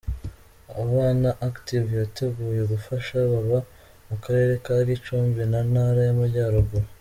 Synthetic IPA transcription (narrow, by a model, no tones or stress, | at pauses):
aβaːnaʔaktivjate̞ɡuːje̞ɡufaʃaβaβa | mukaɾe̞ːɾe̞kaːɾit͡ʃuːɱvinanaɾajamaɾɟaːɾoɡuɾ